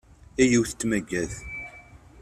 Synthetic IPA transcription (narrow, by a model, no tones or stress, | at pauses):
æjiwθt̪ːmæɡːæθ